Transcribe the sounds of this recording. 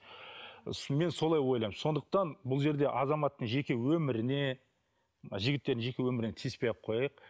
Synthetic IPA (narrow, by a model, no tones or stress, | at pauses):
me̞nso̞lˠɑjwo̞jlˠɑjmso̞nd̪əq̚t̪ɑnbʊlˠʒe̞ɾd̪e̞ʔɑzɑmɑt̪ːəɴʒe̞kʲe̞wɵmɪɾɪne̞̰ | ʒɪɡʲɪt̪ːe̞ɾd̪ɪŋʒe̞kʲe̞wɵmɪɾɪne̞t̪ʰispejqʰo̞jɑjəq